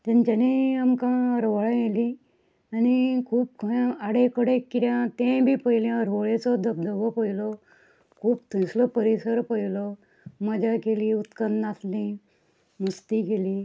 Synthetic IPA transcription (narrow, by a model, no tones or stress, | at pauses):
t̪ãnt͡ɕaniamkãəɾʋəɭãjelĩ | anikʰuːp̚kʰə̃aɽekəɽekːit̪jãt̪ẽbʱiːpəjlẽəɾʋəɭet͡sɔd̪əb̚d̪ʱəʋɔpəjlɔ | kʰuːpt̪ʰə̃slɔpəɾisəɾpəjlɔ | məd͡ʑakeliut̪kənd̪naslĩ | must̪ikeliː